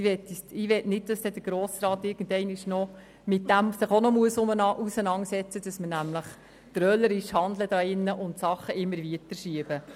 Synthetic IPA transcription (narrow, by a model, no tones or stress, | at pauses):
ʋɛt̪ːsɪʋɛtnɪt̚d̥ɑsd̥ɛd̥əɾɡ̥ɾɔːsɾɑːt̪ɪɾɡ̥ən̩dɛɪnɪʃnɔ | mɪt̚dæmsɪχonɔmuəsʊmənʔusənɑŋsɛt͡səd̥ɑsmənæmləχ | t̪ɾœləɾɪʃhɑnd̪ləd̥ɑːɪnːəʔʊntsɑχːəʔɪmːəɾviətəɾʃiəb̥ə